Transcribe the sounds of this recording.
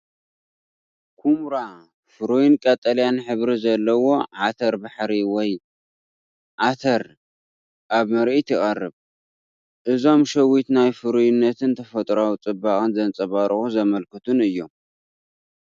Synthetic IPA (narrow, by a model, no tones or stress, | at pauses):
kʰumɾa | fɨɾujnkʼɐt̪ʼɐljanħɨβɾizɐlːɐwo̞ʕat̪ʰɐɾbaħɾiwɔj | ʕat̪ʰɐɾ | ʔaβmɐɾʔit̪ɪχʼɐrːɨβ | ʔɨzo̞mʃɐwit̪najfɨɾujɪnːɐt̪ʰɨnt̪ʰɐfɐt̪ʼɾawt͡sʼɨbaχʼɨnzɐnt͡sʼɐβaɾxuzɐmɐlkʰɨt̪ʰunɨjːo̞m